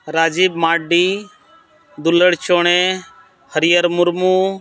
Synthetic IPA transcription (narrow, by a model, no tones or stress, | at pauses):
ɾaːd͡ʒiːbmaːɖiː | d̪ʊləɽt͡ʃoːɳ̃eː | həɾɪjəɾmʊɾmuː